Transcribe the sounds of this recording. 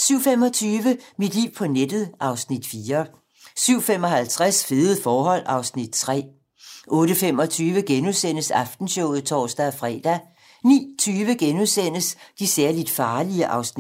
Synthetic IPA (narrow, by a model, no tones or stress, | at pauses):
syʊ̰fem̰ɒ̽t͡sʰyːʋəmid̥lḭʊ̰pʰɒ̽ned̥ð̩ˠʔɑ̈ʊsnid̥fiːɐ | syʊ̰fem̰ɒ̽ɦælt͡sʰʁasfe̝ð̩ˠfɒːɦɒ̽l̰ɑ̈ʊsnid̥̚t͡sʰʁɛ̰ː | ʔɔ̽ːɾəfem̰ɒ̽t͡sʰyːʋəɡ̥enuðˠsen̰əsɑ̈fd̥n̩ɕɔʊ̰ð̩ˠt͡sʰɒ̰ːsd̥æfʁɛ̰ːd̥æ | nḭːt͡sʰyːʋəɡ̥enuðˠsen̰əsd̥isæɐlid̥fɑ̈ːliəʔɑ̈ʊsni̥